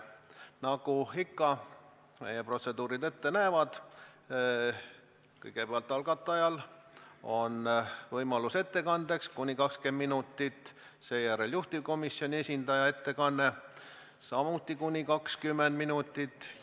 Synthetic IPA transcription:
nɑɡuikːɑ | mḛjepro̞t̪se̞d̪uːɾid̪e̞t̪ːe̞næːvɑd̪̥ | kɤjɡe̞peɑlt̪ːˑɑlɡɑt̪ˑːɑjɑl | o̞nvɤjmɑluse̞t̪ːe̞kɑnd̪̥e̞kskunʲikɑkskenminut̪ːit̪ːˑ | se̞ːjæɾe̞ljuht̪ivko̞misio̞nʲie̞sʲind̪̥ɑjɑe̞t̪ːe̞kɑnːe̞ | sɑmut̪ˑːikunʲikɑkskymːend̪minut̪ːˑit̪ːˑ

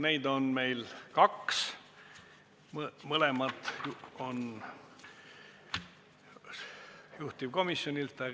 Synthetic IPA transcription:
ne̞jd̪o̞nme̞jlkɑks | mməlemɑt̪ˑon | juht̪ib̥̚ko̞misːjonʲilt̪ˑːɑ

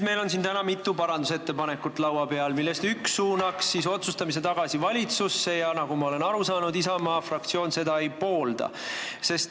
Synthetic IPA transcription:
me̞jlo̞nsint̪ænɑmit̪ːˑupɑɾɑnd̪use̞t̪ːe̞pɑne̞kːˑut̪ːˑlɑwɑpe̞ɑlmilːe̞st̪yksuːnɑksːiso̞t̪sust̪ɑmis̬e̞t̪ɑɡ̥ɑsivɑlʲit̪susːe̞jɑnɑɡ̥umɑo̞le̞nɑɾusɑːnud̪isɑmɑːfrɑk̚t̪sio̞ːnse̞d̪ɑe̞jpo̞ːld̪̥ɑ̰ | se̞st̪

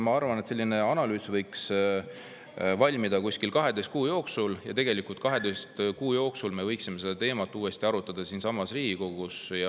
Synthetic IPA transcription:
mɑɑrvɑnet̪se̞lːine̞ɑnɑlyːsvɤjks | vɑlʲmid̪̥ɑkusʲkilkɑɦe̞d̪e̞st̪̚kuːjo̞ːksuljɑt̪e̞ɡ̥elikult̪kɑɦe̞d̪est̪kuːjo̞ːksulme̞vɤjksime̞se̞d̪̥ɑt̪e̞ːmɑt̪ːˑuːe̞st̪iɑɾut̪ːˑɑd̪̥ɑsiːnsɑmːɑsriːɡ̥iko̞ɡ̥usjɑ

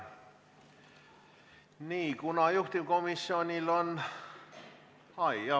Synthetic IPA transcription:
niːkunɑjuht̪imkomisːionʲilon | ɑiɑ

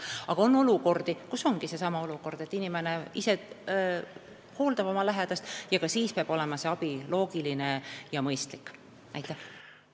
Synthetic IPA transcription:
ɑɡ̥ɑo̞nːo̞luko̞rd̪̥ikusːo̞ŋɡ̥ise̞sɑmɑo̞luko̞rd̪̥e̞t̪ːinimeneise̞ | ho̞ːld̪ɑbo̞mɑlæɦed̪̥ɑst̪jɑkɑsiːspeɑb̥o̞le̞mɑse̞ɑb̥ilo̞ːɡ̥iline̞jɑmɤjst̪likː | næ̰jt̪ːˑæh

